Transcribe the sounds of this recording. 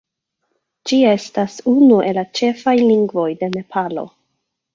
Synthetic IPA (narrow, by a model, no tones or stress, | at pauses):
d͡ʒie̞stasunuʔe̞lat͡ʃe̞fajliŋɡvo̞jde̞ne̞pʰalo̞̰